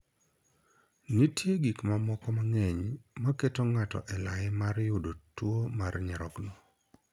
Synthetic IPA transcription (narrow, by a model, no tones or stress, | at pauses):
nitjeɡikmamɔkɔmaŋɛɲmaketoŋatɔ̰ʔɛlaɪmarjʊdotwomarɲɛɾɔknɔ